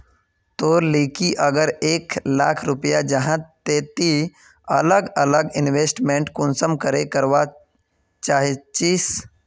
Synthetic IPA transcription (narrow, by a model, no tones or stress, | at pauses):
t̪oːleːkiʔəɡəɾeːkla̰ːkʰɾʊpəjad͡ʒɐɦãt̪eːt̪i | ɐ̰ləɡələɡɪnʋeːsʈmẽːɳʈkʊnsəmkəɾekəɾʋa | t͡ʃaːɦet͡ʃiːs